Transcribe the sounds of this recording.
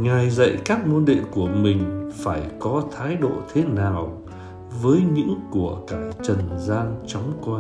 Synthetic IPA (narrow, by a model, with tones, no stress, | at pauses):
ŋa˨˩jzə̰˧˨jkaː˦˥k̚mo˧nɗḭ˧˨ənku˧˩əmï˨˩ŋ̟faː˧˩jkɔ˨˦t̪ʰaː˨˦jɗo̰˧˨t̪ʰe˨˦naː˨˩w | vəː˨˦jɲɨ̰˧˥ŋku˧˩əkaː˧˩t͡ɕə˨˩nzaː˧nt͡ɕɔ˨˦wŋ͡mkwaː˧